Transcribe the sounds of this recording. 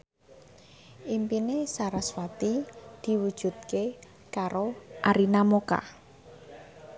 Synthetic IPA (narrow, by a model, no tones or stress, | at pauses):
ʔimpinesaɾaswat̪id̪̥i̤wud̥ʒ̥ṳt̪̚ke | kaɾoʔaɾinamoka̰